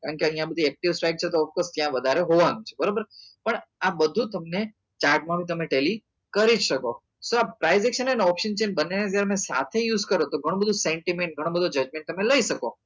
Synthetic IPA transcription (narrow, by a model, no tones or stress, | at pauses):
kaɳkeəijãbəd̪ʱiɛk̚ʈiʋsʈɾajk̚t͡ʃʰet̪̬oɔfkost̪jãʋəd̪ʱaɾeɦoʋanũt͡ʃʰebəɾobəɾpəɳabəd̪ʱũt̪əmne | t͡ʃaɾɖmãbʱit̪əmeʈeli | kəɾid͡ʒʃəko | soapɾaizɛkʃənenɔpʃənt͡ʃenbənenet̪jaɾemɛ̃sa̰t̪ʰejuːzkəɾot̪oɡʱəɽ̃õbəd̪ʱũsẽɳʈimẽɳʈ̚ɡʱəɽ̃õbəd̪ʱod͡ʒəd͡ʒmẽɳʈ̚t̪əmẽləiʃəko